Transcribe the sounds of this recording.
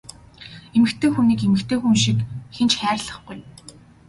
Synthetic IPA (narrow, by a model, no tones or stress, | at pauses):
emɘ̆kt̪ʰeːxuniːkemɘ̆kt̪ʰeːxunʃikxent͡ɕχæːrɮə̆χɢuj